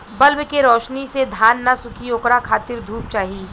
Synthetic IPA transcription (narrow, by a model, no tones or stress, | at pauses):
bɐlbkeɾɔːʃnised̪ʱaːnːasʊkʰioːkɾakʰaːt̪ɪɾd̪ʱuːp̚t͡ʃaːɦiː